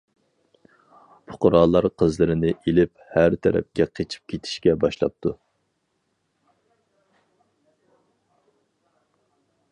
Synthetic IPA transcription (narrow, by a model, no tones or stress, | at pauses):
pʰʊ̥qʊɾɑlˠːɑɾqʰəzlɨɾɪnɪʔelɪp̚hæɾt̪ʰɛɾɛ̰p̚kʲɛqʰet͡ʃʰi̥p̚kʲʰet̪ʰi̥ʃkʲɛbɑʃlˠɑ̰p̚t̪ʰu